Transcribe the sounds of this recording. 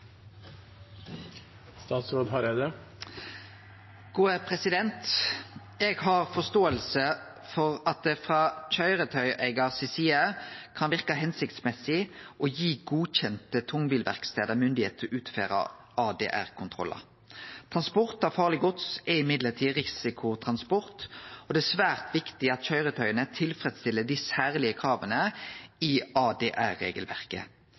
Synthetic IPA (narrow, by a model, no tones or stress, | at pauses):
st̪ɑːt̪sɾoːd̪ɦɑɾed̪ə | ɡ̥uːəpʰʁɛsɪd̪ɛnt̪ | ɛːɡhɑʁfɔst̪oːəlsə | fɔʁɑt̪̚d̪ɛfʁɑːc͡çœʏʁət̪ʰœʏʔæɪɡɑʁsɪsiːɑkʰɑnʋɪʁkɑɦɛnsɪkt̪smɛsɪʔoːjiːɡuːc͡çɛnt̪ət̪ʰʊŋbiːlʋæ̰ʁkst̪eːd̪əʁmʏnd̪ɪhḛːt̪ʰɔʔʉːt̪fḛːʁɑ̰ | ʔɑːd̪ḛːʔæ̰ʁkʰʊnt̪ʰʁɔ̰lɑ̰ | t̪ʰʁɑnspɔʁt̪ɑfɑːʁlɪɡɔt̪sɛɪmɪd̪ləʁt̪ʰiːʁɪsɪkʰʊt̪ʰʁɑnspɔʁt̪ɔd̪ɛæsʋæːʁt̪ʰʋɪkt̪ɪɑt̪çœʏʁət̪ʰœʏənət̪ʰɪlfɾɛd̪st̪ɪlːəd̪ɪsæːʁlɪəkʰʁɑːʋənəɪɑːd̪eːʔæʁːḛːɡəlʋæ̰ʁkə̰